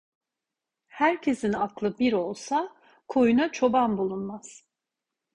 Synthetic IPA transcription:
hæɾcʰe̞sinaklˠɯbiɾo̞lˠsa | kʰo̞junat͡ʃʰo̞bambulˠunmaz̥

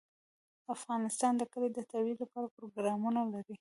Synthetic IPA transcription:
afɣɑnɪst̪ɑnd̪əkəled̪ət̪awilapɑɾapɾoɡɾɑmunalaɾi

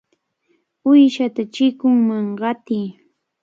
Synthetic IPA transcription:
ʊjʃat̪at͡ʃɪkʊŋmaŋɢɑt̪ij

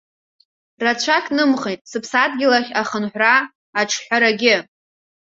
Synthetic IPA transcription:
rat͡ɕʷʰakʲʼnɨmχejtʼsɨpʰsadɡʲɪlaχʲaχənħʷraː | ʈ͡ʂʰħʷᶣaɾaɡʲɪ

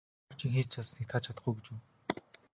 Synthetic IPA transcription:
r̥t͡ɕiŋxeːt͡ɕʰasnikt̪ʰat͡ɕʰat̪ə̆χɡujɡet͡ɕuː

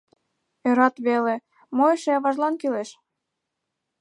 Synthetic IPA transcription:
øɾɑt̪βele | moeʃeɑβɑʒlɑnkileʃ

